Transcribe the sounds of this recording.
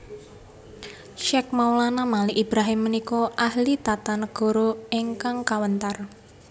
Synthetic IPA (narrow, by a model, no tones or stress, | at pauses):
ʃɛk̚mawlanamaliʔib̥ɾaɦɪmːənikɔʔahlit̪at̪anəɡ̥ɔ̤ɾoeŋkaŋkawənt̪ar